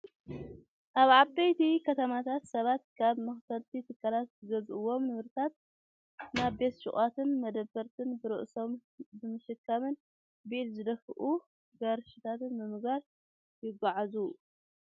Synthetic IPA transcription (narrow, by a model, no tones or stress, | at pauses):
ʔaβʕabɐjt̪ʰikʰɐt̪ʰɐmat̪ʰat̪sɐβat̪kʰaβmɨxsɐlt̪ʰit̪ʰɨkʰːalat̪zɨɡɐzʔɨwːo̞mnɨβɾɨt̪ʰat̪̚ | naβbe̞t̪ʃɨχʼat̪ʰɨnmɐd̪ɐbːɐɾt̪ʰɨnbɨɾɨ̰ʔso̞mbɨmɨʃɨkʰːɐmɨn | bilzɨd̪ɐfɨʔu | ɡɐɾʃɪt̪ʰat̪ɨnmɨmɨɡaɾ | jɪɡaʕazu